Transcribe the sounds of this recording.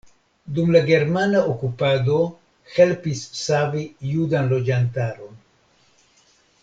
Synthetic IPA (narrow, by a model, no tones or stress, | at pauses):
dumlaɡe̞ɾmanaʔokupado̞ | he̞lpisːavijudanlo̞d͡ʒantaɾo̞n